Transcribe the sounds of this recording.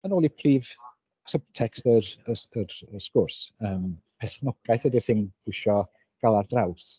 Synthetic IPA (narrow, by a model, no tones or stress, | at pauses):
ənoːlˠipʰriːv | səb̚tʰɛkstəɾəəɾəskʊrsəːmpʰɛθnɔɡ̥ajθədirθɪnɡ̥ʊʃɔ | ɡ̥alˠardraws